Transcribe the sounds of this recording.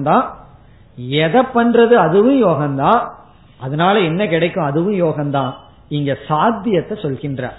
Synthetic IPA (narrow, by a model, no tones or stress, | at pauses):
d̪ãː | ɛðɐpːɐnrɐðɯɐðɯʋɯ̃joːɣɐnd̪ãː | ɐðɐnaːlɐɛnːɐkɪɽɐɪkːʊ̃ɐðɯʋɯ̃joːɣɐnd̪ãː | ɪŋɡɐsaːd̪ɪjɐt̪ːɐsɔlɣɪndrɐ̰